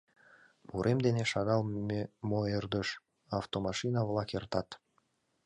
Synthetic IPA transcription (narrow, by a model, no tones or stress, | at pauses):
muɾʔemd̪eneʃɑɣɑlˠemoerd̪ə̆ʃ | ɑft̪omɑʃinɑβlˠɑkert̪ɑt̪